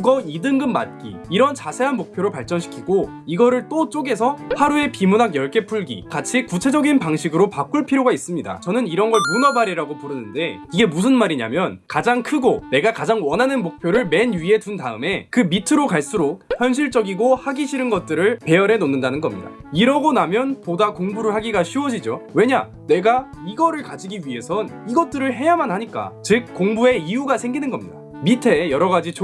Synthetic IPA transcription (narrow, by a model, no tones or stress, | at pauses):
kuɡʌidɯŋɡɯmːa̰t̚k͈ḭːɾʌnt͡ɕasʰe̞ɦanmok̚pʰjoɾopaɭt͡ɕ͈ʌnɕʰi̥kʰiɡo | iɡʌɾɯɭt͈ot͡ɕ͈oɡe̞sʰʌhaɾue̞pimunaɡjʌɭk͈e̞pʰuɭɡḭkat͡ɕʰikut͡ɕʰe̞d͡ʑʌɡinpaŋɕʰiɡɯɾopak͈uɭpʰiɾjoɡais͈ɯmɲida̰t͡ɕʌnɯniɾʌnɡʌɭmunʌbaɾiɾaɡopuɾɯnɯnde̞ | iɡe̞mus̬ʰɯnmaɾiɲa̰mjʌnkad͡ʑaŋkʰɯɡone̞ɡakad͡ʑaŋwʌnɦanɯnmok̚pʰjoɾɯɭme̞nɥie̞tuntaɯme̞kɯmitʰɯɾokaɭs͈uɾok̚çjʌnɕ̬ʰiɭt͡ɕ͈ʌɡiɡohaɡiɕʰiɾɯnɡʌt̚t͈ɯɾɯɭpe̞jʌɾe̞nonːɯndanɯnɡʌmɲida̰ | iɾʌɡonamjʌnpodakoŋbuɾɯɭɦaɡiɡaɕʰiwʌd͡ʑid͡ʑowe̞ɲa | ne̞ɡaiɡʌɾɯɭkad͡ʑiɡiɥiɦe̞sʰʌniɡʌt̚t͈ɯɾɯɭɦe̞jamanhaɲik͈a̰t͡ɕɯk̚k͈oŋbue̞iuɡasʰe̞ŋɡinɯnɡʌmɲida̰ | mitʰe̞jʌɾʌɡad͡ʑit͡ɕ